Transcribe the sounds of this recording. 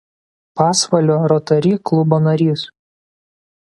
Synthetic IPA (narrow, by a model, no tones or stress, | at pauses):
pɑːsʋɐlʲoːɾot̪ɐɾʲiːklˠʊboːnɐɾʲiːs